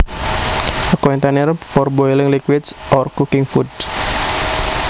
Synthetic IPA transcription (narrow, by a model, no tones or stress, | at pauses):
əkɔint̪anɪrfɔrboilɪŋlikwɪd̪sʔɔrkukɪŋfud